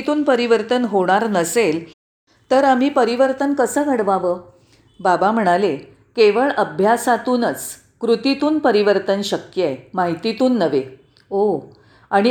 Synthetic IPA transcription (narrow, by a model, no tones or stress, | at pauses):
t̪uːnpəɾiʋəɾt̪ənɦoɽ̃aɾnəsel | t̪əɾam̤iːpəɾiʋəɾt̪ənkəsəːɡʱəɽʋaʋəː | babam̤əɽ̃ale | keʋəɭəbʱjasat̪uːnət͡s | kɾut̪it̪uːnpəɾiʋəɾt̪ənɕəkjəemaɦit̪it̪uːnːəʋe | o | aɽ̃i